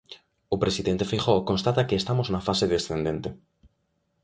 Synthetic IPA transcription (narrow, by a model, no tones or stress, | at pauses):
opɾesiðent̪efixokonst̪at̪akeːst̪amoznafaseðesθend̪ent̪e